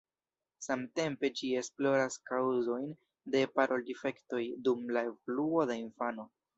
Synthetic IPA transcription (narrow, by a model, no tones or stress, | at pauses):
samte̞mpe̞d͡ʒie̞splo̞ɾaskawzo̞jn | de̞paɾʔo̞ldife̞kto̞jdumlae̞voluo̞dainfano̞